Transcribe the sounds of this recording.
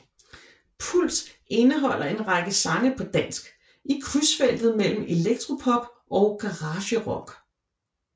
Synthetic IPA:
pʰul̰d̥ | e̝nəɦɒ̽l̰ʔɐe̝nʁɑɡ̥əsɑ̈ŋəpʰɒ̽d̥æn̰sɡ̥ | ikʰʁysfel̰d̥ð̞̩ˠmel̰m̩e̝leɡ̥̚d̥ʰʁo̝pʰɒ̽b̥ | ʔɒ̽ʊɡ̥ɑ̈ʁɑ̈ːɕəʁɒ̽ɡ̥

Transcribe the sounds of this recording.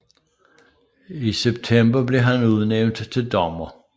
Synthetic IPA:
iseb̥̚t͡sʰemb̥ɐble̝ɦænuð̞ˠneʊnd̥t͡sʰe̝ld̥ɒmɐ

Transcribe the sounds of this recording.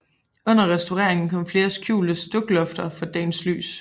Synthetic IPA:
ɔ̽n̰ɐʁɛsd̥oʁɛɐ̰eŋn̩kʰɒ̽m̰fle̝ːɐsɡ̥jṵːld̥əsd̥ɔ̽ɡ̥lɔ̽fd̥ɐfɒ̽d̥ɛ̰ːnsly̰ːs

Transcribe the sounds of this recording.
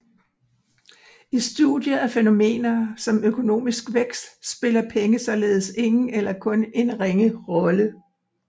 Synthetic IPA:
isd̥ṵd̥jɐæfeno̝me̝̰ːnɐsɒ̽møkʰo̝no̝̰ːmisɡ̥ʋeɡ̥sd̥sb̥e̝lɐpʰeŋəsɒ̽le̝ːð̞̩ˠse̝ŋn̩elɐkʰɔ̽ne̝nʁeŋəʁɒ̽lə

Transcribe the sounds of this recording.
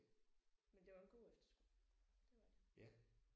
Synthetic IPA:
mend̥e̝ʋɑ̈e̝nɡ̥o̝̰ːefd̥ɐ̥sɡ̥u̥d̥e̝ʋɑ̈d̥ejæ

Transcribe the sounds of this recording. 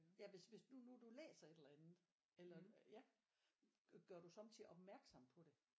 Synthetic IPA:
jæʋe̝sʋe̝sdunud̥ulḛːsɐe̝d̥elɐænð̩ˠ | elɐjæ | ɡ̥ɶɐɾ̥usɒ̽mt͡sʰiɒ̽b̥mæɐɡ̥sɒ̽m̰pʰɒ̽ɾ̥e̝

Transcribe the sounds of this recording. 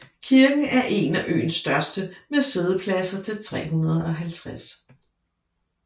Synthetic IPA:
kʰiɐɡ̥n̩æɐʔe̝næʔø̰ːnsd̥ɶɐsd̥əmese̝ð̞ˠəpʰlæsɐt͡sʰe̝lt͡sʰʁɛ̰ːɦunɐð̞̩ˠɒ̽ɦælt͡sʰʁas

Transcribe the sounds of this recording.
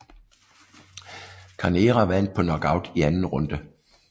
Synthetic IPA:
kʰɑneːʁɑʋæn̰d̥̚pʰɒ̽nɒɡ̥ɑ̈ʊd̥iænn̩ʁɔ̽nd̥ə

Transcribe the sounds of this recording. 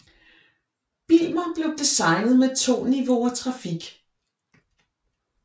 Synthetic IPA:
b̥ilmɐb̥le̝ʊd̥isɑ̈ɪnð̩ˠmet͡sʰo̝̰ːniʋo̝ɐt͡sʰʁɑ̈fiɡ̥

